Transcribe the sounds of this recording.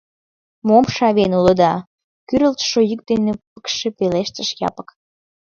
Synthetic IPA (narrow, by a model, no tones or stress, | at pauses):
momʃɑβenuləd̪ɑ | kyɾəlt̪ʃojyk̚d̪enepəkʃĕpeleʃt̪əʃjɑ̰pə̥k